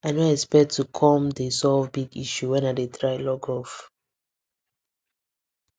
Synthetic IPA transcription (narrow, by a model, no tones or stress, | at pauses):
aɪnoɛspɛk̚tʰukʰɔ̃mdesɔlvbiɡiʃuwɛ̃nadetʰɹaɪlɔɡɔf